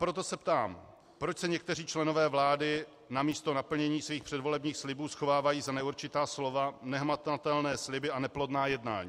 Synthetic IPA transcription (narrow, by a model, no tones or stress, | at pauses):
pɾo̞t̪o̞sɛpt̪aːm | pɾo̞t͡ʃsɛɲɛk̚t̪ɛr̝iːt͡ʃlɛno̞vɛːvlaːdɪ | namiːst̪o̞napl̩ɲɛɲiːsviːxpr̝̥ɛdvo̞lɛbɲiːxslɪbuːsxo̞vaːvajiːzanɛuɾt͡ʃɪt̪aːslo̞vanɛɦmat̪at̪ɛlnɛːslɪbɪanɛplo̞dnaːjɛdna̰ːɲḭː